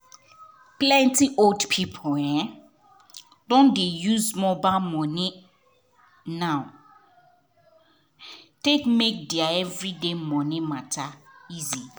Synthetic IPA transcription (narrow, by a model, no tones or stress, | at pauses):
plɛ̃ntiʔoldpʰipʰoɛ̃ | dɔ̃ndejuzmɔbamɔ̃nɪ̃ | nãw | tekmek̚diaɛvɹidemɔ̃nɪ̃mãtʰaizi